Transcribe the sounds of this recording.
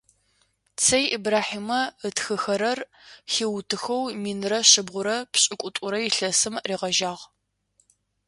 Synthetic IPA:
t͡sʰɐjʔibraːħiːmɐətxɨxɐɾɐr | xiːwtʰɨxɐwmiːnrɐɕɨbʁʷʊɾɐpɕʼɪkʷʼʊtʼʊɾɐjɪɬɐsɨmriːʁɐʒaːʁ

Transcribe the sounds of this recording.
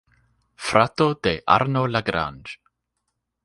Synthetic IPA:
fɾat̪od̪̥eːʔa̰ɾnolaɡɾa̰nd̥

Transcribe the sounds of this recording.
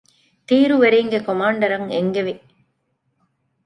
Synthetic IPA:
t̪iːɾɯʋɐɾɐŋɡɐkɔmaːɳɖɐɾɐŋɛŋɡɐʋi

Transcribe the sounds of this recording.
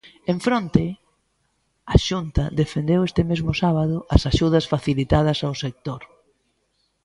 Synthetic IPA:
eɱfɾont̪ɪ | ɐʃunt̪ɐðefend̪ewest̪ɪmezmʊsaβ̞aðʊʔɐsaʃuð̞ɐsfaθilit̪að̞ɐsaʊsek̚t̪oɾ

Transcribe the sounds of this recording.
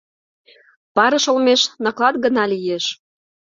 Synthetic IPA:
pɑɾə̆ʃŏlmeʃnɑklɑt̪̚ɡə̆nɑlijeʃ

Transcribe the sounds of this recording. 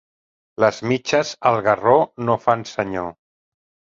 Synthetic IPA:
ləzmit͡ʃəzəlˠɣəronofansəɲo

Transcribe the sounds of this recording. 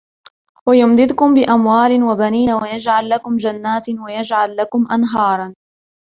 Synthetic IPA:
wajʊmd̪ɪd̪ʊkʊmbɪʔamwaːlɪnwabaniːnawajad͡ʒʕalːakʊmd͡ʒanːaːt̪wajad͡ʒʕalːakʊmʔanɦɑːɾˤɑn

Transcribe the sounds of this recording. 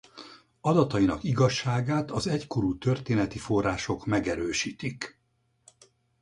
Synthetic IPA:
ɒd̪ɒt̪ɒinɒkiɡɒʃːaːɡaːt̪ɒzɛcko̞ɾuːt̪ø̞rt̪eːnɛt̪ifo̞rːaːʃo̞kmɛɡɛɾøːʃiːt̪ik

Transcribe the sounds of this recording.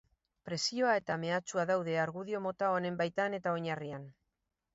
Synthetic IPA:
pɾe̞sio̞ae̞t̪ame̞at͡ʃuaðawð̞e̞aɾɣuðio̞mo̞t̪aone̞mbajt̪ane̞t̪aoɲarian

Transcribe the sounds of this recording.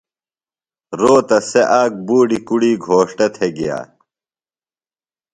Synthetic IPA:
ɾoːt̪ɐseʔaːk̚buːɖikuɽiːɡʱoːʂʈɐt̪ʰeɡija̰ː

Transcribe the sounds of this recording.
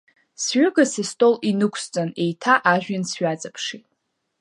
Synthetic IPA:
sɥʏɡasistʼolinɨkʷʰst͡sʼane̞jtʰaʔaʒᶣansɥat͡sʼapʰʂitʼ

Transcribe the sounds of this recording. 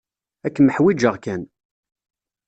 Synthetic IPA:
ækːməħwid͡ʒəʁkæn

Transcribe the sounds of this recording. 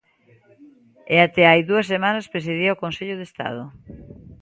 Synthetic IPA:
eat̪ɛajðuɐsːemanɐspɾes̬iðiaokonseʎʊðest̪a̰ð̞ʊ

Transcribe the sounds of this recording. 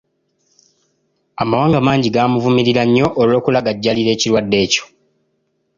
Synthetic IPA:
amawaːŋɡamaːɲɟiɡaːmuvumiɾiɾaɲːo̞ʔːlo̞ːkulaɡaɟːaliɾe̞ːciɾwadːe̞ːco̞̥

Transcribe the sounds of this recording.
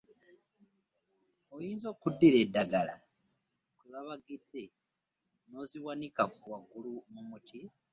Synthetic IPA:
ojiːnzo̞ːkudːiɾedːaɡala | kweβaβaɡidːe̞ | no̞ziwanikakuwaɡulumumutʰi

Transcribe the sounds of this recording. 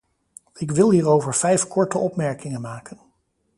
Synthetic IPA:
ɪkʋɪlˠɦiːrowvəɹv̥ɛjfkɔɹtəʔɔpmɛɹkɪŋənmaːkən

